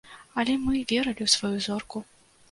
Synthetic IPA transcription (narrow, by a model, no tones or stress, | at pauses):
ɐlʲɛmɨvʲɛɾɐlʲiwsvɐjuzɔrku